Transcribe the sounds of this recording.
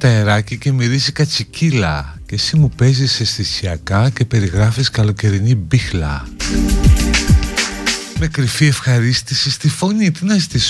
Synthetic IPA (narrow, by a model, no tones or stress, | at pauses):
t̪ɐeɾɐcice̞miɾizikɐt͡sicilɐ̰ce̞simupe̞zisesθisiɐkɐce̞pe̞ɾiɣɾɐfiskɐlo̞ce̞ɾinibixlɐ̰ | mekɾifie̞fxɐɾist̪isist̪ifo̞nit̪inɐst̪is